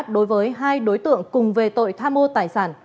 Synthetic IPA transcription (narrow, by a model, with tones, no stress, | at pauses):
t̚ɗo˨˦jvəː˨˦jɦaː˧jɗo˨˦jt̪ɨ̰˧˨əŋkʊ˨˩ŋ͡mve˨˩t̪o̰˧˨jt̪ʰaː˧mo˧t̪aː˨˩jsaː˧˩n